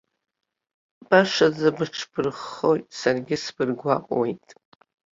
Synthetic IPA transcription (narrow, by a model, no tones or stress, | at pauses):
b̥aʂazabɨʈ͡ʂʰb̥ʰɨrχo̞jtʼsarɡʲɪsb̥ɨrɡʷaqʼwejtʼ